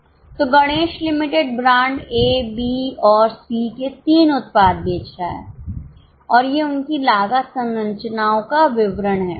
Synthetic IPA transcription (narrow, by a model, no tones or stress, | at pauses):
t̪oːɡɐɽ̃eːʃlɪmɪʈeɖ̚bɾãːɳɖeːbiːɔːɾsiːket̪iːnʊt̪̚paːd̪̚bʱeːt͡ʃɾaɦɛ̰ː | ɔːɾjeʊnkilaːɡasɐ̃nɾɐ̃ɲt͡ʃənaːõkaʋɪʋɾənɦɛː